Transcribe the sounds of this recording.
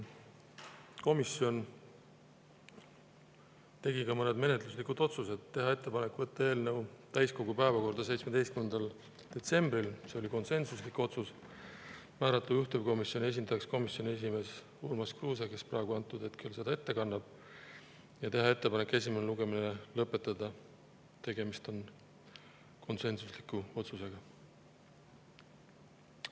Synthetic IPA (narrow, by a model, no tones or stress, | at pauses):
ko̞misjo̞n | t̪e̞ɡikɑmɤne̞d̪me̞ne̞t̪ˑluslikud̪̥o̞t̪suse̞d̪ːe̞ɦɑe̞t̪ːe̞pɑne̞kːˑvɤt̪ːˑɑe̞ːlne̞wt̪æjsko̞ɡupæevɑko̞rd̪̥ɑse̞jt̪sme̥e̞jst̪kynend̪ɑl | d̪̥e̞t̪se̞mb̥ɾilse̞o̞lʲiko̞nse̞nsuslikːo̞t̪sus | mæːɾɑt̪ːˑluyht̪ubko̞misjonie̞s̬ʲind̪̥ɑjɑksko̞misjo̞nie̞s̬ʲime̞ːs | ulmɑskruːseke̞spɾæeɡ̥uɑnt̪ːˑud̪̥e̞t̪kylse̞d̪̥ɑe̞t̪ːekɑnːɑb̥ | jɑt̪e̞ɦɑe̞t̪ːepɑnekːˑe̞sʲimeneluɡ̥e̞mineelɤpːˑe̞t̪ːˑɑd̪ɑ | t̪e̞ɡe̞mist̪o̞n | ko̞nse̞nsuslikːˑuo̞t̪suse̞ɡ̥ɑ